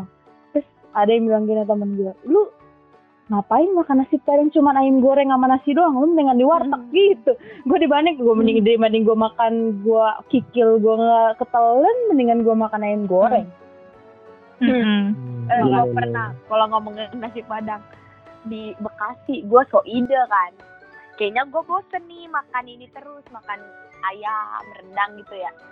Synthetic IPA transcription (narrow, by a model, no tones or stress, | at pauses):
a | t̪ɾʊs | adajambilaŋɡinat̪̬amanɡualu | ŋapaɪnmakanːasipːadaŋt͡ʃumanaɪmɡoɾɛŋamanasidoaŋlʊmənəŋandiwart̪ak̚ɡit̪uɡuadibaɲak̚ɡuaməniŋdəɾimadɪŋɡuamakanɡuakikɪlɡuaŋakət̪ələnməniŋanɡuamakanaɪmɡoɾɛŋ | m̩əŋapərnakalaŋɡaməŋənas̬ipadaŋ | dibəkasɪhɡuasoʔidakan | kaɲaɡuabosənːɪmakaninit̪əɾʊsmakanajamrəndaŋɡit̪uja